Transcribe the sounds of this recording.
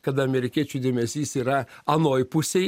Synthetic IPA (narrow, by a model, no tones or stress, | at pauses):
kɐt̪ɐmʲɛɾʲɪkʲiɛt͡ʃʲuːd̪ʲeːmʲɛsʲiːsiːɾɐɐnoːjpʊsʲɛɪ